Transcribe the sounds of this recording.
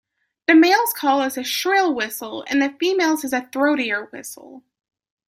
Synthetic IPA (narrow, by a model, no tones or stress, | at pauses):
ðɨmeɪlˠz̥kʰɔlˠɨzɨʃɹɪlˠwɪsl̩ˠɨ̰̃nðɨfimeɪlˠzɨzɨθɹoʊɾiə˞wɪ̰sl̩ˠ